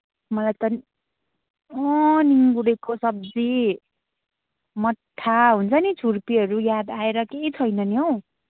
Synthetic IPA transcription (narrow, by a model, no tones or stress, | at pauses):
mʌlajt̪ʌn | ʌ̃niŋɡuɽekosʌb̚d͡zi | mʌʈʰːaɦunt͡sʰʌnit͡sʰurpiʌɾujad̪aeɾʌkeit͡sʰʌjnʌnjo